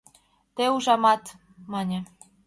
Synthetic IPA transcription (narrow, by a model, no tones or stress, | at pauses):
t̪euʒɑmɑt̪ | mɑnʲĕ